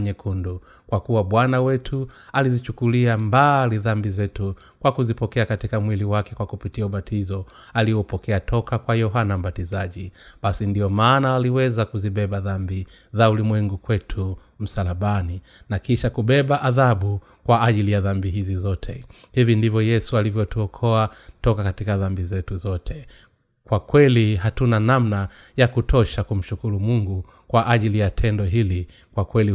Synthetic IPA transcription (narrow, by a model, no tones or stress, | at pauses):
ɲɛkundu | kwakuwaɓwanawɛtʰu | alizit͡ʃukuliambaliðambizɛtu | kwakuzipɔkɛakatikamwiliwakɛkwakupitiauɓatʰizɔ | aliɔupɔkɛatʰɔkakwajɔɦanam̩ɓatizaʄiɓasindiɔmaːnaaliwɛzakuziɓɛɓaðambiðaulimwɛŋɡukwɛtʰu | m̩salaɓani | nakiʃakuɓɛɓaʔaðaɓu | kwaaʄilijaðambiɦizizɔtʰɛhivindivjɔjɛsualivjɔtuɔkʰɔatɔkakatikaðambizɛtuzɔtʰɛ | kwakwɛliɦatunanamnajakutʰɔʃakum̩ʃukuɾumuŋɡu | kwaʔaʄilijatʰɛndɔɦili | kwakwɛli